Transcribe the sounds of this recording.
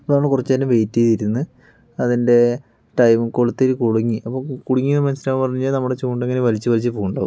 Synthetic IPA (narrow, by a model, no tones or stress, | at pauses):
ɐponmːɐɭkurɐt͡ɕːt̪ɐnːeʋe̞jtːɐjt̪iɾunːɨ | ɐðinde̞ | ʈɐjmɨkoɭut̪ːeɾɨkuɽuŋːiʔɐpːoːkuɽuŋːinːɨmɐnsiɾaːpɐrɐɲːuɲːaːlnɐmːuɽet͡ɕuːɳɖeŋːɐneʋɐlit͡ɕːɨʋɐlit͡ɕːɨpoːɣuɳɖoː